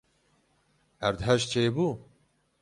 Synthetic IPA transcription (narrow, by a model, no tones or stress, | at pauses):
æɾd̪ɦɛʃt͡ʃʰeːbuː